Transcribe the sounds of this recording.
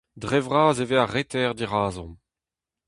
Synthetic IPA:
dʁɛvʁaːzeveaʁet̪ɛʁd̪iʁaːzɔ̰̃

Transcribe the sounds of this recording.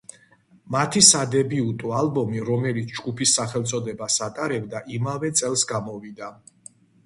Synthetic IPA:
mat̪ʰisad̪ɛbiut̪ʼualbɔmiɾɔmɛlit̪sʰd͡ʒɡupʰisːaχɛlˠt̪sʼɔd̪ɛbasat̪ʼaɾɛbd̪aʔimavɛt̪sʼɛlˠsɡamɔvid̪a

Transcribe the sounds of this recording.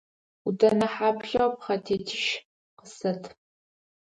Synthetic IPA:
udɐnɐħaːpɬɐwpχɐtʰeːtʰɪʃ | qəsɐtʰ

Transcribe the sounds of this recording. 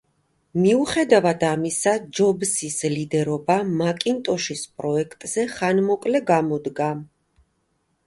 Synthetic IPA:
miuχɛd̪avad̪amisad͡ʒɔbsislid̪ɛɾɔbamakʼint̪ʼɔʃispʼɾɔɛkʰt̪ʼz̥ɛχanmɔkʼlɛɡamɔd̪ɡa

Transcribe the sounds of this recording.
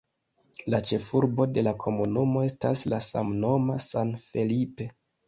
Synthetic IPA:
lat͡ʃe̞fuɾbo̞de̞lakʰo̞munumo̞e̞staslasa̰mno̞masanfe̞lipe̞

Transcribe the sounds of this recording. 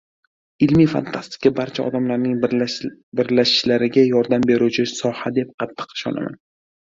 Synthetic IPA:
ɪlmijfa̰nt̪ʰast̪ɪ̥kʰʲabaɾt͡ʃʰaɒ̰d̪amlaɾnɪŋ | bɪɾlaʃɪ̥ʃlaɾɪɡʲajɒɾd̪ambe̞ɾut͡ʃʰɪsɒhad̪e̞p̚qʰɑt̪ʰːɨ̥qɪ̥ʃɒ̰na̰ma̰n

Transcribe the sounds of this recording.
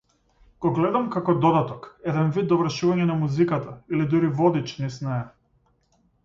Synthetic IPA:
ɡ̥ɔɡlɛd̪amkakɔd̪ɔd̪at̪ɔkɛd̪ɛnvid̪̚d̪ɔvr̩ʃuvaɲɛnamuzikat̪ʰailid̪uɾivɔd̪it͡ʃnisnaɛ

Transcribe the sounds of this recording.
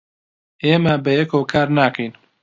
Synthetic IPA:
eːmabɐjɛkʰoːwkʰaːɾnaːkʰɐjn

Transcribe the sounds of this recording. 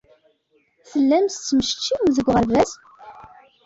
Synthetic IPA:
θəlːæmst͡sːməʃt͡ʃːiðəɡʷːʁəlvæs

